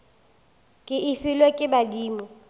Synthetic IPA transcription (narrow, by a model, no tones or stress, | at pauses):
kʼɪʔɪfɪlwekʼɪbadiːmɔ